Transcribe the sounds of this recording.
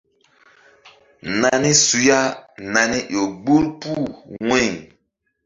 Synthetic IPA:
na˨ni˦su˨ja˦na˨ni˦jo˨ɡ͡bu˦lpu˦˨ŋɛ˦˨

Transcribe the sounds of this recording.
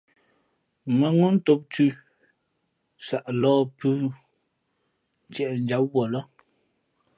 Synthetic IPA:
mə˨ŋu˦n̩˦to˦p̚tʉ˦ | sa˨ʔlɔː˦pʉ˦ | tjɛ˨ʔn̩˨˦d͡ʒa˨˦p̚wɔ˨lɔ˦

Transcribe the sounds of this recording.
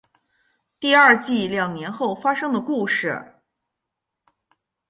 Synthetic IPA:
t̪i˥˧ɐ˞˥˧t͡ɕi˥˩ljɑ˨˩ŋnjɛ˧˥nxo˥˩ʊfa˥ʂɤ˥ŋd̪ə˨ku˥˧ʂɻ̩˨˩

